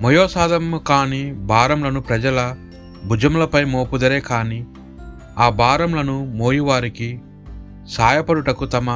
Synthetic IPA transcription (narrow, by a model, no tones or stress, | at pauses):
mɐjɔːsaːd̪ɐmkaːniːbaːɾɐmlɐnupɾɐd͡ʒɐlɐ | bʱud͡ʒɐmlɐpɐjmoːpud̪ɐɾeːkaːniː | aːbaːɾɐmlɐnumoːjiʋaːɾiki | saːjɐpɐɽuʈɐkut̪ɐmɐ